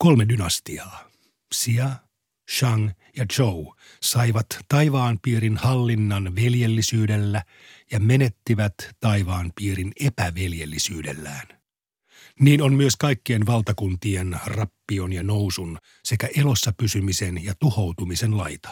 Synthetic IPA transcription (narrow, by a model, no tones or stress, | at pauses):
ko̞lmedynɑst̪iɑː | siɑ | ʃɑŋ | jɑd͡ʒow | sɑiʋɑt̪ːɑjʋɑːmpiːɾinhɑlːinːɑnʋelje̞lːisyːdelːæ | jɑmene̞t̪ːiʋæt̪ːɑiʋɑːmpiːɾine̞pæʋeljelːisyːde̞̰lːæːn | niːno̞nmyøskɑjkːie̞nʋɑlt̪ɑkunt̪ie̞nrɑpːio̞njɑno̞wsun | se̞kæʔelo̞sːɑpysymise̞njɑt̪uho̞wt̪umise̞nlɑjt̪ɑ̥